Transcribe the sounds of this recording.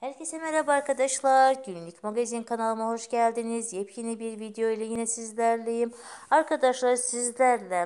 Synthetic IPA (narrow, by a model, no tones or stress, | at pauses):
hæɾcʰe̞sɛmɛɾabaɾkʰad̪aʃlˠaɾɟynlʲicmoɡazinkʰanalˠɯmaho̞ʃɟælʲd̪inizjep̚cʰinibiɾvid̪ejo̞ilʲɛjinɛsizlʲæɾlʲejim | aɾkʰad̪aʃlˠaɾsizlʲæɾlʲɛ